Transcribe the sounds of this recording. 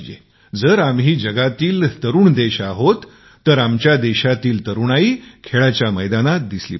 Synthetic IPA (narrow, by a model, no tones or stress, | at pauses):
d͡ʑḛ | d͡zəɾamɦiːd͡ʑəɡat̪iːlt̪əɾuːɳd̪eɕaɦot̪ː | əɾamt͡ɕjad̪eɕat̪iːlt̪əɾuːnaikʰeɭat͡ɕjaməjd̪anat̪̚d̪islḭ